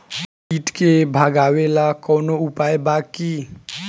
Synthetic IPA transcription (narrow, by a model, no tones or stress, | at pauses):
iʈkebʱaɡaʋelakɔnoupajbaki